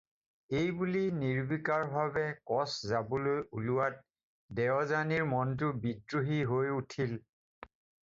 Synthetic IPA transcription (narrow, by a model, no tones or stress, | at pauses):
ejbuliniɹbikaɹbaβɛkɔszabɔlojuluwat̚ | dɛɔzaniɹmɔnt̬ʊbidɹuɦiɦojutʰil